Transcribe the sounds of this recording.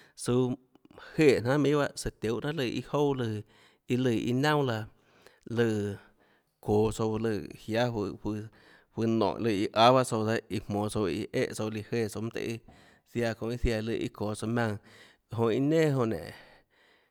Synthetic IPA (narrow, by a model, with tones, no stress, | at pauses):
su˧ | heː˦˨n̥ã˦mĩ˦ba˦se˧˨t̪o˨˦ʔn̥ã˦lɨ˧˨ʔḭ˧ho˦˨lɨ˧˨ | i˧lɨ˧˨ḭ˧nã˦wla˧ | lɨ˧˨ | koː˨so˧wlɨ˧˨hja˦wh | hwi˧nõ̰˨ʔlɨ˧˨i˧ʔa˦βa˦so˧da˧˦i˧m̥õː˨so˧ḭ˧ʔḛ˦ʔso˧li˧heː˧˨so˧m˦t̪ḛ˧ʔi˧ | sja˧kõ˧˨i˦˧θja˧lɨ̰˧˨ʔḭ˧koː˨so˧mʲã˧ŋ˨ | ɦõ˧i˧nẽː˦ɦõ˧nḛ̃˨ʔ